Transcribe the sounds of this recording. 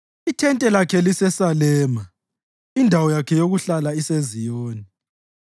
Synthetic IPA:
itʰɛntʼɛlakʰɛlisɛsalɛːma | indʱawɔjakʰɛjoɣuɬalaisezijoːni

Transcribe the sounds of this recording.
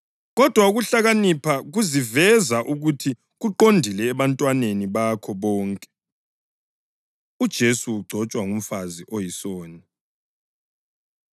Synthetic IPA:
ɣɔd̥ʱwauɣuɬaɣanipʰaɣuzivɛzaʔuɣutʰi | ɣuǃondʱilɛːβantʼwaneniβakʰɔβɔːŋkʼɛ̥ | ud̥ʒ̥ʱesuːɡ͡ǀʱɔt͡ʃʼwaŋum̩faziʔojisoːni

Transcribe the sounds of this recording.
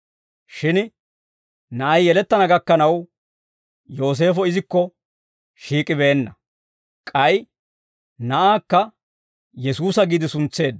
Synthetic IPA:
ʃɪn | nɐʔɐjːɛlɛt̪ːɐnɐɡɐkːɐnɐw | jo̞ːs̬e̞ːfɔɪzɪkːɔ | ʃiːkʼɪbeːnːɐ | kʼɐj | nɐʔaːkːɐ | jɛsuːsɐɡiːd̪ɪsʊnt͡sːe̞ːd̪ɐ

